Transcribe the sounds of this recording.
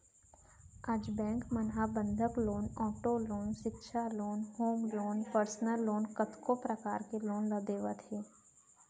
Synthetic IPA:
ad͡ʒbɛ̃ːŋkmənɦabə̃nd̪ʱəkloːnɔːʈoloːnʃɪtːʃʰaloːnhoːmloːnpəɾsnəlːoːnkət̪kopɾəkaːɾkeloːnləd̪eːʋat̪ʰɦeː

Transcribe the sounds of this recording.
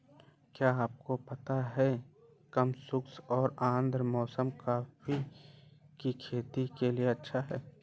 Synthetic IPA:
kjaːaːp̚kopɐt̪aɦɛ | kɐmsʊksɔːɾãːnd̪ɾmɔːsəmkaːfi | kikʰeːt̪ikelieɐtːʃʰaɦɛː

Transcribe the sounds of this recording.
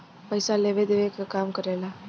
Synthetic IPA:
pəɪsaleːʋed̪eːʋekakaːmkəɾela

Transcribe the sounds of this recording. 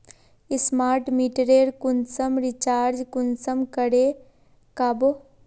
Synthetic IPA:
ɪsmaːɾʈmiʈɾeɾkʊnsəmɾit͡ʃaːɾd͡ʒkʊnsəmkəɽe | kabo

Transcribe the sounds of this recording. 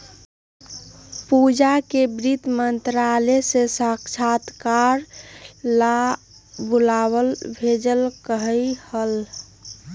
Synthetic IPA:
pud͡ʒakebɾit̪mənt̪ɾalesesəɦkt͡ʃʰat̪kaɾla | bulaβəlbʱed͡ʒəlkəɦəjhəl

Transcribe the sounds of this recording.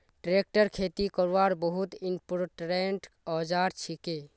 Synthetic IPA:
ʈɾek̚ʈəɾkʰet̪ikəɾʋaɾbəɦut̪inpɾʈɾeɳʈɔd͡ʒaɾt͡ʃʰike

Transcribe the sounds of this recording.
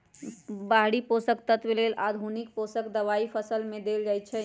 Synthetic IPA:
baɦɽiposəkt̪ət̪ʋelelʔad̪ʱunik̚posəkd̪əʋaipʰəsəlmed̪eld͡ʒajt͡ʃʰɛ

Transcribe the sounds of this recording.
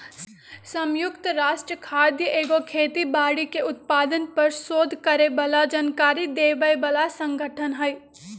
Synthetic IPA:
sɐmjʊkt̪əɾaːʃʈɾəkʰaːɾd̪jəʔeːɡokʰeːt̪ibaːɽikeʊt̪̚paːd̪ənpɐɾsoːd̪ʱkɐɾebɐlad͡ʒaːnkaːɾid̪eːbəjbɐlasə̃ŋɡʱəʈʰənɦɐj

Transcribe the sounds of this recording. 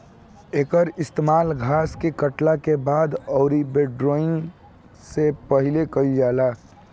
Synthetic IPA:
eːkəɾɪst̪emaːlɡʱaːskekəʈlakebaːd̪ɔːɾibeɖɾoːɪn | sepəɦɪlekəid͡ʒaːlaː

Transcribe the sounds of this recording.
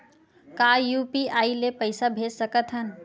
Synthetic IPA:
kajupiaːilepəɪsabʱed͡ʒsəkət̪ɦən

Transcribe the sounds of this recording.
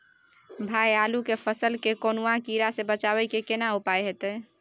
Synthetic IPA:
bʱajalukepʰəsəlkekonuãkiɾasẽbət͡ʃaβəjkekenaupajɦet̪ɛ

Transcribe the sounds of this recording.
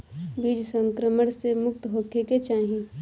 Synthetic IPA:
biːd͡ʒsə̃ŋkɾəməɽ̃semʊkt̪ɦoːkʰeket͡ʃaːɦĩ

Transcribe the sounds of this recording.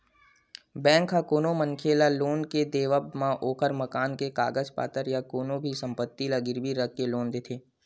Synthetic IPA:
bɛ̃ːŋkɦakoːnomə̃ŋkʰeːlaloːnked̪eːʋəbmãʔoːkʰəɾməkaːnkeka̰ːɡəd͡ʒpa̰ːt̪əɾjakoːnobʱisə̃mpət̪ːilaɡɪɾbiɾəkːeloːnd̪eːt̪ʰeː

